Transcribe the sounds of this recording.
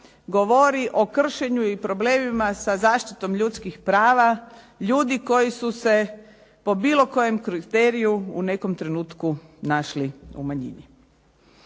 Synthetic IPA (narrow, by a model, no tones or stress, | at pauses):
ɡoʋoɾiʔo̞kr̩ʃe̞ɲuipɾo̞ble̞ːmimasazaːʃt̪it̪o̞mʎut̪skixpɾaːʋa | ʎuːd̪iko̞jisuse̞ | po̞biːlo̞ko̞je̞mkɾit̪eːɾijuune̞ko̞mt̪ɾe̞nuːt̪kunaʃliṵmaɲḭɲi